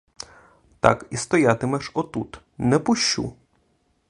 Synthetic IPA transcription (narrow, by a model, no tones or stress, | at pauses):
t̪a̰kist̪ɔjat̪ɪmɛʃɔt̪ut̪ | nɛpʊʃːṵ